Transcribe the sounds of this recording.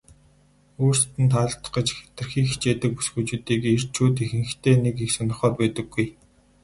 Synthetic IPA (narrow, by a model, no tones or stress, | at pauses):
oːrst̪ɘ̆nt̪ʰaːt̪ə̥̆ɢə̆t͡ɕxe̥t̪ɘ̆rxiːkxi̥t͡ɕeːt̪ɘ̆k̚pu̥sɡuːt͡ɕuːt̪iːker̥t͡ɕʰuːt̪exɘ̆ŋxt̪ʰeːnekeksɔnɞ̆χɔːrpæːt̪ə̆ɡːuj